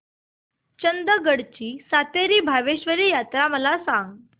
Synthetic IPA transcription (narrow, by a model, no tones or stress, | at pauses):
t͡ɕənd̪əɡəɽt͡ɕiːsat̪eɾiːbʱaʋeɕʋəɾiːjat̪ɾaməlasãŋɡ